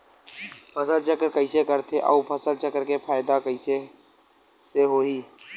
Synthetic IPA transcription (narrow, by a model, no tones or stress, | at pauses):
pʰəsəlt͡ʃəkəɾkəɪsekəɾt̪ʰeʔɔ̰upʰəsəlt͡ʃəkəɾkepʰaːɪd̪akəɪse | seɦoːɦiː